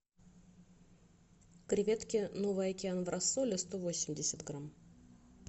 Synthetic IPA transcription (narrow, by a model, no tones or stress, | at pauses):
kɾʲɪvʲet̪kʲɪnovɨjɐkʲɪanvrʔasːolʲɪst̪ovo̞sʲɪmʲdʲɪsʲət̪ɡram